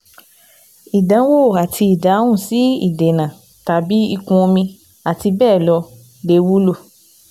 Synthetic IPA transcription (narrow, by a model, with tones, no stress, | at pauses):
i˨dã˨˦wo˦˨a˨tʰi˧i˨da˨˦ũ˦˨si˨˦ḭ˦˨de˨nã˨ | ta˨˦bi˨˦i˧kũ˧o˧mĩ˧ | a˨ti˧bɛː˦˨lɔ˧ | le˧˦wu˦lo˦˨